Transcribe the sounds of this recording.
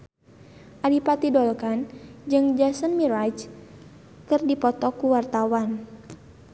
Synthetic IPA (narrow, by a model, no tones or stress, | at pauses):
ʔalipat̪idɔlkand͡ʒɨŋd͡ʒasənmiɾad͡ʒ | kɨrdipɔt̪ɔkuwart̪awan